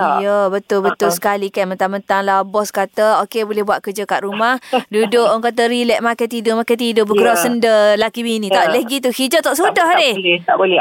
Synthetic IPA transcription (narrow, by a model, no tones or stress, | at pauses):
jəbət̪ʊlbət̪ʊlsə̥kalikanmənt̪amənt̪aŋlabɔskat̪əokebolɛhbuat̪̚kəd͡ʒəkaʔ̪ɾumahdudʊʔɔŋkat̪̬əɾilɛʔ̚makət̪idʊʔmakat̪idʊʔbəɡəɾasəndəlakiminĩt̪aləɡit̪uhid͡ʒɔt̪ːɔʔsudɔɦdɪt̪aʔbolɛ